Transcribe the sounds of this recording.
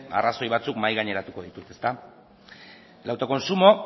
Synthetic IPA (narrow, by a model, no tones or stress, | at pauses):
a̰raso̞jβ̞at͡sukmajɣaɲe̞ɾat̪uko̞ð̞it̪ut̪e̞st̪a | lawt̪ako̞nsumo̞